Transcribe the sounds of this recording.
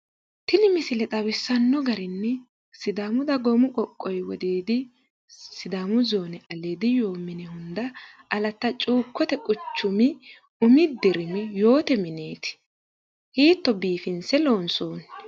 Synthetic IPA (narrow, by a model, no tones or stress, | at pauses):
t̪ɪnɪmɪsɪlɛt̪ʼɐwɪsːɐnːɔɡɐɾɪnːɛ | sɪd̪aːmʊd̪ɐɡɔmʊkʼɔkʼːɔjwɔd̪eːd̪ɪ | sɪd̪aːmʊzoːnɛʔɐleːd̪ɪjo̞ːmɪnɛhʊnd̪ɐ | ɐlɐt̪ːɐt͡ʃʼuːkːɔt̪ɛkʼʊt͡ʃːʊmɪ | ʊmɪd̪ɪɾɪmɛjo̞ːt̪ɛmɪneːt̪ɪ̥ | hiːt̪ːɔbiːfɪnsɛlo̞ːnso̞ːn